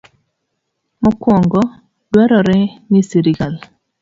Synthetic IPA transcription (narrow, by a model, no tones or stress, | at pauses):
mɔkwɔŋɡɔ | dwɛɾɔɾɛnisiɾiɡal